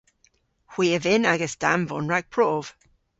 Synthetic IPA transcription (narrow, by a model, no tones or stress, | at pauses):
hw̥iːəvɪnaɡəsta̰nvɔnɹaɡ̥̚pʰɹ̥ov̥